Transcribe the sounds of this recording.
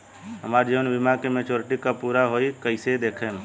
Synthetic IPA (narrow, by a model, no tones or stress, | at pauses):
ɦəmaːɾd͡ʒeʋnʋɪmakemeːt͡ʃoːɾɪʈikapuːɾaɦoːikəɪsed̪eːkʰe